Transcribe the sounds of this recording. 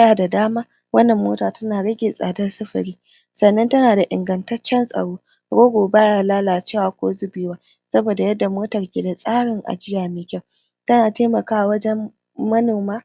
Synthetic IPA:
jaː˨da˨daː˦maː˦ | wɐ˦nːɐ˨mːoː˦taː˨tɐ˦naː˨ɽɐ˦ɡʲɪ˨sʼa̰ː˨dɐ˦rsɐ˦ɸɐ̰˨ɽiː˦ | sɐ˨nːɐ˦ntɐ˦naː˨da˨ʔɪ̰˨ŋɡɐ˨ntɐ˦t͡ʃːɛ˦nsʼɐ̰˨ɽoː˦ | ɡoː˦ɡʷoː˨baː˦jaː˨laː˦laː˨t͡ʃeː˦˨waː˨kʷoː˦zʊ˦bɪː˦waː˦ | sɐ˦boː˨da˨jɐ˦dːa˨moː˦tɐ˨rkʲeː˨da˨sʼaː˦ɽɪ˨ŋʔa̰˨d͡ʒɪ˦jaː˨meː˦kʲa˦w | tɐ˦naː˨teː˦mɐ˨kaː˦a˨wɐ˦d͡ʒɛ˦m | mɐ˦noː˨maː˦

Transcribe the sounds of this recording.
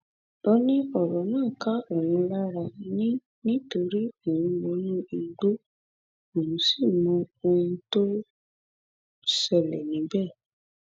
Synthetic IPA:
o˦nĩ˦ɔ˦˨ɾɔ˨˦nãː˦˨ka˦o˦˨wũ˧la˦ɾa˧nĩ˦ | nĩ˦to˧ɾi˦o˨wũ˧mɔ̃˨˧˦nũ˦i˧ɡ͡bo˦ | o˨nũ˨˦si˦˨mɔ̃˧o˧ũ˧to˦ | sɛ˦˨lɛ˨nĩ˨˦bɛ˦˨

